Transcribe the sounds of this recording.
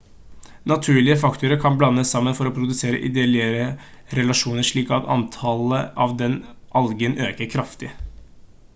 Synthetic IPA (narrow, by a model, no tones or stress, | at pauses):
nɑt̪ʰʉːɭɪəfɑkt̪ʊɾəkʰɑnblɑnːəsːɑmːənfɔɾoːpʰɾʊd̪ʉseːɾə̰ʔɪ̰d̪eːlɪəɾə | ɾɛlɑʂuːnəʂɭiːkɑt̪ɑ̰nt̪ʰɑləʔɑʋd̪ɛnʔɑlɡənøːkəɾkʰɾɑft̪ɪ